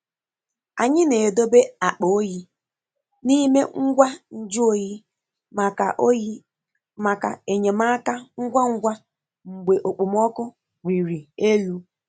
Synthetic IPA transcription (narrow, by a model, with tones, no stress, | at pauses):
a̰˨ɲɪ˦ne˨e˨do˦be˦a˨k͡po˨o˦ji˦ | ni˦me˦ŋ̩˦ɡʷa˦n̩˦d͡ʒʊ˦o˦ji˦ | m˨ka˨ʔ | ma˨ka̰˨e˨ɲe˨ma˦ka˦ŋ̩˦ɡʷa˦ŋ̩˦ɡʷa˦ | ŋ͡m̩˨ɡ͡be˨ʔo˨k͡po˨m˦ɔ˦kʊ˦ | ɡʷi˨ɾi˨e˦lu˦